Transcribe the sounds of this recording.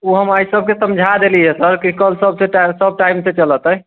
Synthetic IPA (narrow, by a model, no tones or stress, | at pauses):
oɦəmaisəb̚ʱkesəmd͡ʒʱad̪eliɦɛsəɾkikəlsəbseʈasəb̚ʱʈaimset͡ʃələt̪ə